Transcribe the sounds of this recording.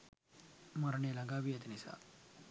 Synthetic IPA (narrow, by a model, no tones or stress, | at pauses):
mɐɾɳelaŋɡaʋiɐt̪inisa̰